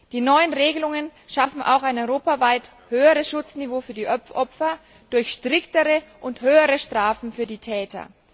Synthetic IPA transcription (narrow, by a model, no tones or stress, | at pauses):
d̥iːnɔʏənʁeːɡəlʊŋənʃafm̩ʔa̰ʊxaɪnɔʁoːpavaɪt | høːəʁəsʃʊt͡snivoːfyːɐdiːʔɔfʔɔpfɐ | d̥ʊɐçʃtʁ̥ɪktəʁəʔʊnthøːəʁəʃtʁ̥aːfn̩fyːɐdiːtʰɛːtɐ̰